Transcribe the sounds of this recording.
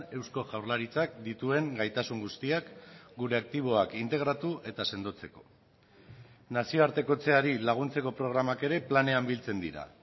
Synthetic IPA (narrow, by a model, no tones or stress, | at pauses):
e̞wsko̞ʝawɾlaɾit͡sak̚d̪it̪ue̞ŋɡajt̪asuŋɡust̪iakɡuɾe̞ak̚t̪iβ̞o̞akint̪e̞ɣ̞ɾat̪uʔe̞t̪ase̞nd̪o̞t͡se̞ko̞̥ | nasio̞aɾt̪e̞ko̞t͡se̞aɾilaɣ̞unt͡se̞ko̞pɾo̞ɣɾamake̞ɾe̞plane̞ambilt͡se̞nd̪iɾa̰